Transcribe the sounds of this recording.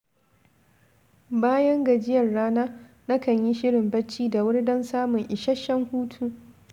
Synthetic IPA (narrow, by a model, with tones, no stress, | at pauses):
baː˦jɐ˦ŋɡɐ˨d͡ʒɪ˦jɐ˨rːaː˦naː˦ | na˦kɐ˨ɲji˦ʃɪ˦ɽɪ˨mbɐ˦t͡ʃːiː˦da˨wʊ˦ɽdɐ˦nsaː˦mʊ˨ŋʔɪ˨ʃɐ˦ʃːɐ˦ŋhuː˦tʰuː˦